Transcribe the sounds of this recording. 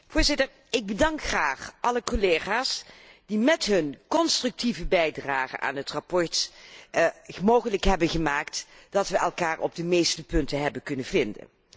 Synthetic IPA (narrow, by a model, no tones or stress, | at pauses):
vʊːɹzɪtəɹ | ɪɡ̚bədɑŋkχraːχʔɑləkoleːχaːs | d̥imɛtɦɵnkɔnstrɵk̚tivəbɛjdraːχə̰nʔa̰ːnɦətrapɔɹt | moːwχələkɦɛbənχəmaːktd̥ɑtʋəʔɛlˠkaːɹʔɔ̰b̚dəmejstəpɵntəɦɛbənkɵnənvɪndə̰n